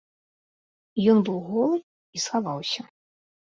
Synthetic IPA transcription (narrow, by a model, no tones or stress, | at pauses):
jɔnbɨwɣɔlˠɨ | isxavawsʲɐ